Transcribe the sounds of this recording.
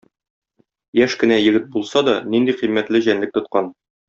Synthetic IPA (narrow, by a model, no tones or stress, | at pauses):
jæʃkɘ̆næjɘ̆ɡɘt̪̚bulˠsɑd̪ɒnind̪iqimːæt̪lɘʑænlɘk̚t̪ŏt̪̚qɑn